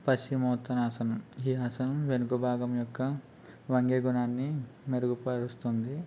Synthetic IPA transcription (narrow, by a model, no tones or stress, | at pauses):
pɐsimɐːt̪ːɐnaːsɐnɐmiːɦaːsɐnɐʋenuɡobʱaːɡɐmjɔkːɐ | ʋɐŋɡeːɡunaːnːimeɾuɡupɐɾust̪und̪i